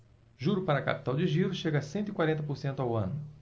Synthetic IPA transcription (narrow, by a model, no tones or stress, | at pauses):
ʒuɾʊpaɾɐka̰pi̥t̪awd͡ʒɪʒiɾʊʃeɡɐsẽnt̪ʊikwaɾẽnt̪ɐpoɾsẽnt̪ʊawɐ̃nʊ